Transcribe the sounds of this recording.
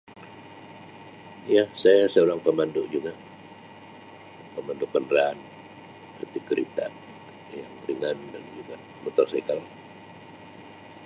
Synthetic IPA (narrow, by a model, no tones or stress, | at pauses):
jasajasəoɾaŋpəmandʊʔd͡ʒuɡa | pəmandʊkːəndɾan | pərt̪ikəɾḭt̪a̰n | jaŋɾiŋandand͡ʒuɡa | mut̪ɔrsaikala